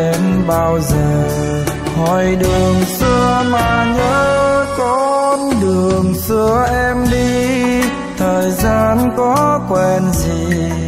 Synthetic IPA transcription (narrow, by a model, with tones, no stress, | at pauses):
ɛ˧nɓaː˧wzəː˨˩ | hɔ˨˩jɗɨ˨˩əŋsɨ˧əmaː˨˩ɲəː˧˦kɔ˧˦nɗɨ˨˩əəŋsɨ˧əʔɛ˧mɗi˧ | t̪ʰəː˨˩jzaː˧nkɔ˨˦kwɛ˧˩nzi˨˩